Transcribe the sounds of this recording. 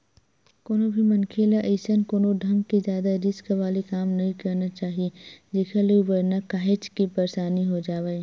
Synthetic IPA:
koːnobʱimɐnkʰeːlaʔeɪsənkoːnoɖʱɐ̃ŋɡ̚kizjaːd̪aɾɪskʋaːlekaːmnɐɦĩkɐɾnat͡ʃaːɦied͡ʒeːkʰalebəɾnakaːɦet͡ʃkipɐɾsaːniɦod͡ʒaːʋee

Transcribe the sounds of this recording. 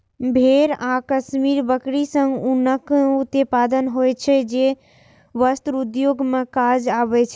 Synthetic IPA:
bʱeɾakəsmiɾbəkɽisəŋɡunəkut̪epad̪ənɦojt͡ʃʰɛd͡ʒe | ʋəst̪ɾud̪joɡmekad͡ʒabɛt͡ʃʰɛ

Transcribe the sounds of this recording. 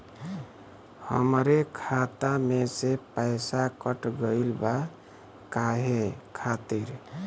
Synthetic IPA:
hə̰mɾekʰat̪amesepəɪsakəʈɡəɪlba | kaɦekʰat̪iɾ

